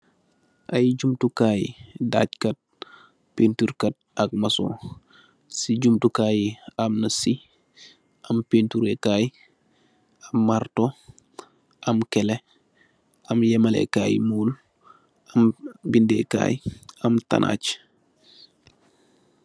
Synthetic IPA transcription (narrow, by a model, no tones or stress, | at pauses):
ʔajɟumtukaːjḭda̰ckɐt̚ | pentuɾkɐt̚ɐk̚maso̰ | siɟumtukaːjiamnɐsi | ʔampentuɾekaːj | amːaɾto | ʔamkɛle | amjɛmalḛkaːjmuːl | ambindeka̰ːjamta̰nʔa̰ːc